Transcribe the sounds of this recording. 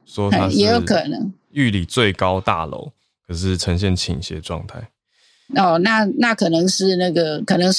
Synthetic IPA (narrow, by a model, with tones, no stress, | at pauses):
swɔ˦t̪ʰa˦jɛ˧˦jo˧˦ʊkʰə˨˩nɤ̰˧˦ŋ | y˥˨li˨˩t͡swe˥˨ɪkɑ˦ʊt̪a̰˥˨lo̰˧˦ʊ | kʰə˨˩ʂɻ̩˥˩ʈ͡ʂʰə˧ŋɕ̬jɛ˥˨˩nt͡ɕʰḭ˨˩ŋɕjɛ̰˦ʈ͡ʂwɑ̰˥˧ŋt̪ʰa˥˩ɪ | ɔ˥˩na˥˩˨na˥˩kʰɤ˨˩nɤ˧˦ŋʂɻ̩˥˧na˥˩ɡə˩kʰɤ˨˩nɤ˧˦ŋʂ